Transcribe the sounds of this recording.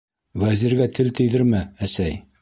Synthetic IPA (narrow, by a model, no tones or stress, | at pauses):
wæziɾɡæt̪ʰɘlt̪ɘ̆jðɘɾmɘæsæj